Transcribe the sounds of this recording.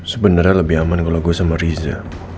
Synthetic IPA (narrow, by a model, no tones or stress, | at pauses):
səbənarɲaləbiɦamankəlaɡosamaɾiza̰